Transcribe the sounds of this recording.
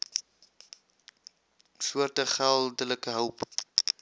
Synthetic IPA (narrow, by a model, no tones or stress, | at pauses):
suərtəχælˠdələkəɦəwp